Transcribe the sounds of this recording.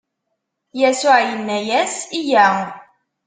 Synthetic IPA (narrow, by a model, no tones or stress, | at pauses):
jæsʊʕjənːæjæsijæ